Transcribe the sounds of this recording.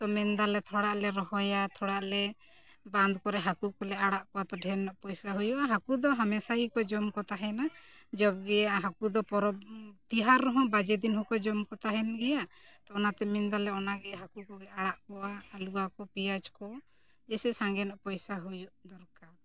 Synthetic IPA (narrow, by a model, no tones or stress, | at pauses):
t̪ɔmɛnd̪alɛt̪ʰɔɽaʔlɛɾɔɦɔjat̪ʰɔɽaʔlɛ | bãnd̪kɔɾɛɦakukɔlɛaɽaʔkɔwat̪ɔɖʱɛnːɔʔpɔjsaɦujuʔaɦakud̪ɔɦamɛsaikɔd͡ʒɔmkɔt̪aɦɛnad͡ʒɔbɡɛjaaɦakud̪ɔpɔɾɔbt̪iɦaɾːɔɦɔ̃bad͡ʒɛd̪inhɔ̃kɔd͡ʒɔmkɔt̪aɦɛnɡɛjaʔt̪ɔɔnat̪ɛmɛnd̪alɛɔnaɡɛɦakukɔɡɛaɽaʔkɔwaːluakɔpiat͡ʃkɔ | d͡ʒɛsɛsaŋɡɛnɔʔpɔjsaɦujuʔd̪ɔɾkaɾ